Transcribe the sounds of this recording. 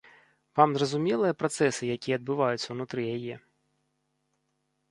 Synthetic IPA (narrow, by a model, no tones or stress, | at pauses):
vamzrɐzʊmʲɛlˠɨjɐpɾɐt̪sɛsɨjɐkʲijɛɐd̪̚bɨvajʊt̪ʲsʲːɐwnʊt̪ɾɨjajɛ